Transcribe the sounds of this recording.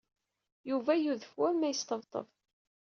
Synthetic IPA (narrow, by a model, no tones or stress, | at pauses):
juvæjuðəfwæmæjəst̪əvt̪ˤə̰v